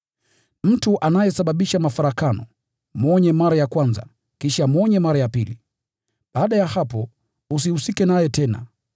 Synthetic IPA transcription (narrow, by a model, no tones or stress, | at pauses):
m̩tuʔanajɛsaɓaɓiʃamafaɾakanɔ | mɔɲɛmaɾajakwanza̰ | kiʃamɔɲɛmaɾajapili | ɓaːɗajahapɔ | us̬ihusikɛnajɛtɛna̰